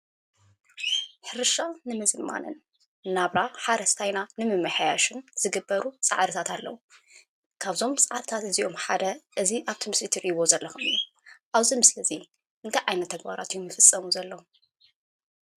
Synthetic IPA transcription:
ħɨɾɨʃanɨmɨzɨma̰nɨ̰nː | aβɾaħaɾɐst̪ʰajnanɨmɨmːɨħajaʃɨnz̥ɨɡɨbːɐɾut͡sʼa̰ʕɾɨt̪ʰat̪alːɐ̰wu | kʰaβzo̞mt͡sʼaʕɾɨt̪ʰat̪ɨziʔo̞mħad̪ɐʔɨziʔaβt̪ʰimɨslit̪ʰiɾiβo̞zɐlːɐxumɨ̰ju | ʔaβzimɨslɨzi | ʔɨnt̪ʰajʕajnɐt̪ʰːɐɡbaɾa̰t̪ɨjːumːɨfɨsʼːɐmuzɐlːɐwu

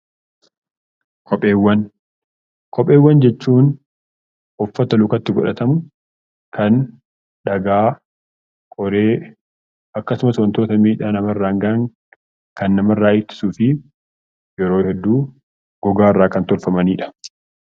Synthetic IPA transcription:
kʰʼɔpʼːeːwːɐn | kʰɔpʼːeːwːɐnd͡ʒɛt͡ʃːuːn | ɔfːɐt̪ɐlʊkɐt̪ːɪɡɔᶑɐt̪ɐmʊ | kʰɐn | ᶑɐɡaː | kʼɔɾeː | ɐkːɐsʊmɐsɐnt̪oːt̪ɐmiːᶑaːnɐmɐrːaːŋɡaːŋ | kɐnːɐmɐrːaːʔɪt̪ːɪ̥suːfɪ | jɛɾoːhɛd̪ːuː | ɡ̥ɔɡaːɪrːaːkɐnt̪ɔlfɐmɐniːᶑɐ̥

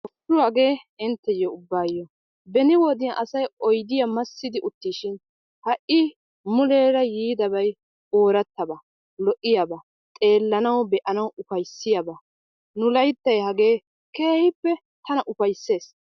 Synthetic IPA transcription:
ʔʊfʊwaɡe̞ːɪnt̪ːɛjɔʊbːaːjːɔ | bɛnɪwɔd̪ɪjɐʔɐsɐjɔjd̪ɪjɐmɐsːɪd̪ɪʔʊt̪ːiːʃɪn | hɐʔɪ | mʊleːɾɐjiːd̪ɐbɐj | oːɾɐt̪ːɐbɐ | lɔʔɪjɐbɐ | t̪ʼe̞ːlːɐnɐwbɛʔɐnɐwʊfɐjsːɪjɐbɐ | nʊlɐjt̪ːɐjhɐɡe̞ː | keːhɪpːɛ | t̪ɐnɐʔʊfɐjsːe̞ːs

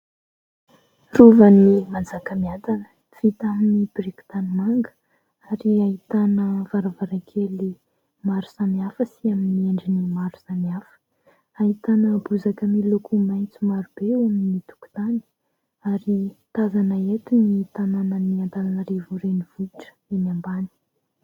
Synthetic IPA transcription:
ruvənimand͡zakəmiant̪anə̥ | v̥it̪aminib̥riku̥t̪animaŋɡə̥ | aɾiait̪anəvaɾavaɾakʰeli | maɾu̥saniafəsiaminieɳɖ͡ʐinimaɾu̥saniafə̥ | aɦit̪anəbuzakəmilukʰumajnt͡sumaɾub̥eaminit̪u̥ku̥t̪ani̥ | aɾit̪azanəet̪unit̪ananəniant̪alanəɾevuɾeniv̥uiʈ͡ʂə̥enambani̥

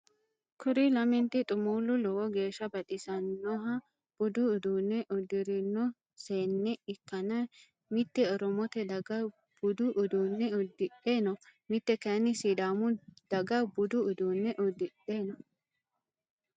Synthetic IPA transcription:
kʰʊɾilɐmɪnt̪ɪt̪ʼʊmuːlʊlɔwɔɡe̞ːʃːɐbɐt̪ʼɪsɐnːɔɦɐ | b̥ʊd̪ʊːd̪uːnːɛʔɔd̪ɪɾɪnːɔ | seːnːɛɪkːɐnɐ | mɪt̪ːɛɔɾɔmɔt̪ɛd̪ɐɡɐ | b̥ʊd̪ʊʔʊd̪uːnːɛɔd̪ːɪᶑeːnɔmɪt̪ːɛkɐnːɪsid̪aːmʊd̪̥ɐɡɐbʊd̪ʊʊd̪uːnːɛʔɔd̪ɪᶑeːnɔ

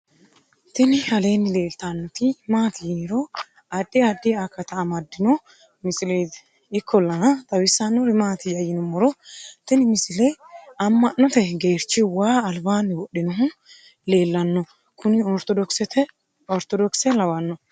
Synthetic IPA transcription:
t̪ɪnɪhɐle̞ːnːɪle̞ːlt̪anːɔt̪ɪmaːt̪ɪjiɾɔ | ɐd̪ːɪɐd̪ːɪakːɐt̪ɐːmɐd̪ːɪnɔ | mɪsɪlej | ɪkʰːɔlːɐnɐt̪ʼɐwɪsːɐnːɔɾɪmaːt̪ɪjɐjɪnɔmɔɾɔt̪ɪnɪmɪsɪlɛjɐmːɐnːɔt̪ɛɡe̞ːɾt͡ʃːɪwaːɐlbaːnːɪwɔɗːɪnɔɦʊ | le̞ːlːɐnːɔ | kʰʊnɪɔɾt̪ɔd̪ɔksɛt̪ɛ | ɔɾt̪ɔd̪ɔksɛlɐwɐnːɔ

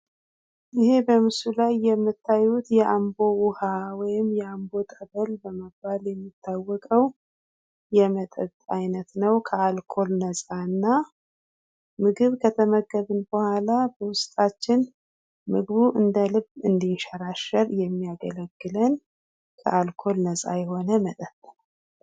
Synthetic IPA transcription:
ʔɨhe̞bəmɨsulajːɛmːɨt̪ʰːajut̪jɛʔambo̞wʊhawɔjɪmjɛambo̞t̪ʼəβəlbəməbːaljɛmːit̪ʰːawːɔkʼəw | jɛmət̪ʼə̰βt̪ʼajnət̪nəwkʰəalkʰo̞lnəsʼaɨnːa | mɨɡɨβkʰət̪ʰəməɡːəβɨnbəhʷalabəwʊst̪ʼat͡ʃːɪn | mɨɡβuʔɨnd̪əlɨbɨnd̪inʃəɾaʃəɾjɛmːijaɡə̰ləɡːɨlən | kʰə̰ʔalkʰo̞lnəsʼa̰jɛho̞nəmət̪ʼət̪ʼːəlal

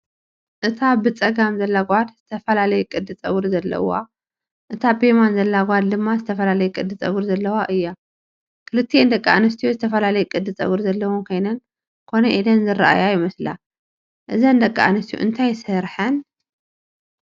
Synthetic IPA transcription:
ʔɨt̪ʰabɨt͡sʼɐɡamzɐlːaɡʷad̪z̥ɨt̪ʰɐfɐlalɐjɛkʼɨd̪ɨt͡sʼɐwɨɾzɐlːɐ̰wa̰ | ʔɨt̪ʰabemanzɐlːaɡʷad̪d̪ɨmːazɨt̪ʰɐfɐlalɐjɛkʼɨd̪ːɨt͡sʼɐwɨɾzɐlːɐwaʔɨjːa | kʰɨlɨt̪ʰːiend̪ɐkʼːaːnɨs̬t̪ʰijozɨt̪ʰɐfɐlalɐjɛkʼɨd̪ːɨt͡sʼɐ̰wɨɾzɐlːɐwonkʰo̞jnɐn | kʰo̞nɐʔid̪ɐnzɨraʔa̰jajɪmɐsla̰ | ʔɨzɐnd̪ɐkʼːaanɨst̪ijṵʔɨnt̪ʰajsɐɾħɐn

